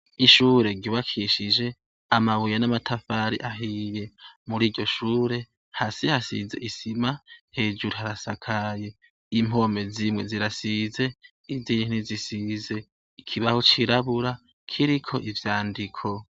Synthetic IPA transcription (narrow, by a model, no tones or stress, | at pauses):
iʃuːɾe̞ɡɟiβakʰiʃid͡ʒe̞ | amaβujanamatʰafaɾḭʔaɦije̞muɾiːɟɟo̞ʃuːɾe̞ | hasihasḭze̞̰ʔisimahe̞ːd͡ʒuɾuɦaɾasakʰaje̞ | im̥o̞me̞zimŋe̞ziɾasize̞ | iziːnizisize̞ | ikʰiβahot͡ʃiɾaβuɾa | kʰiɾikʰo̞̰ʔivjaːndikʰo̞